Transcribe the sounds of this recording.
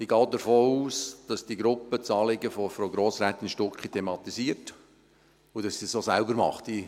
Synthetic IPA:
iɡɑːdəɾfoːuːsd̥ɑsd̥iɡɾʊpət͡sɑːlɪɡəfofɾoɡɾoːsɾæt̪ːinʃtʊkχitʰemɑt̪isiəɾt | ʊd̥ɑsːisosælbəɾmɑ̰χti

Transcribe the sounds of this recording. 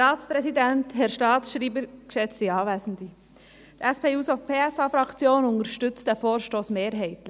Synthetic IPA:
ɑːtt͡spɾɛsidɛnthɛɾʃtɑːsʃɾiːbəɾkʃɛt͡stiɑːʋɛːsn̩d̪i | d̥̪ɛspʰeːuːsofpʰeːɛsɑːfɾɑkt͡sjoːnʊŋəɾʃtʏt͡stɛfoːɾʃtoːsmeːɾɦɛɪtl

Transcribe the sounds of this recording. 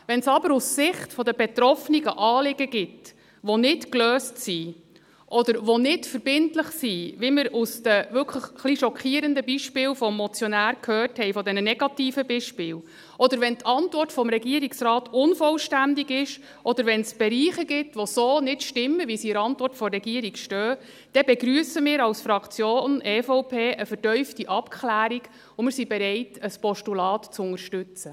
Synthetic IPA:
ʋɛnsɑbəɾussɪχtfɔd̪əbɛt̪ɾɔfniɡəʔɑːlɪɡəɡ̥ɪt | ʋonɪtkløːstsi | ʔɔd̪əɾʋonɪtfəɾb̥ɪntləχsiʋiməɾusd̥əʋʏlkʰləχχliʃɔkχiːɾəndəbiʃpɪːlfɔmːɔt͡sjɔnæːɾkʰhœːrthɛɪfɔd̪ɛnənɛɡ̥ɑt̪iːfəbiʃpɪːl | ʔɔd̪əɾʋɛnt̪ʰɑntʋɔrtfɔmɾɛɡiəɾiksrɑːtʊnfɔlʃtændiɡɪʃ | ʔɔd̥̪əɾʋɛnsb̥ɛɾiːχəɡɪtʋosoːnɪtʃtɪmːəʋisiəɾɑntʋɔrtfɔrːɛɡiəɾikʃtœː | d̥ɛbɛɡɾyəsəmɪːɾɑwsfɾɑkt͡sjoːnɛːfɔʊpʰeːʔəfərtœʏftiʔɑpkχlæːɾiɡ̥ | ʊnmɪːɾsibɛɾɛɪtəspɔʃtulɑːtt͡sʊŋəɾʃtʉt͡sə

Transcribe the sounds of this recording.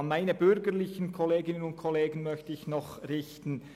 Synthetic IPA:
nmaɪnəbʏɾɡəʁlɪçən̩kʰɔleːɡɪnənʊnt̚kʰɔleːɡən̩mœçtəɪçnɔχʁɪçtn̩

